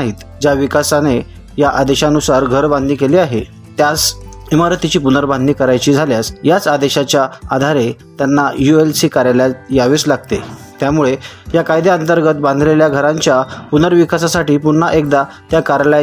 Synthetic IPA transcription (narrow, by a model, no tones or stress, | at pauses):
ɦiːt̪ | d͡ʑjaʋikasane | jaʔad̪eɕanusaɾɡʱəɾbãnd̪niːkeliːaɦe | t̪jas | imaɾt̪it͡ɕiːpunəɾband̪niːkəɾajt͡ɕiːd͡zʱaljasjat͡sad̪eɕat͡ɕjaad̪ʱaɾe | t̪janːajuelsiːkaɾajljajaʋiːslaɡ̚t̪e | t̪jamuɭe | jakajd̪eənt̪əɾɡət̪bãnd̪ʱleljaɡʱəɾãɲt͡ɕjapunəɾʋikasasaʈiːpuɳːaʔek̚d̪a | t̪jakaɾla